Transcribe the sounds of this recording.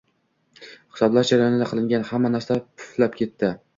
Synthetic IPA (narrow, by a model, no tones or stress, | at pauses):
χɪ̥sɒblaɾd͡ʒaɾajɒnɪd̪aqʰɨlɪŋɡʲanhamːanaɾsapʰʊ̥flap̚kʲʰe̞t̪ːɪ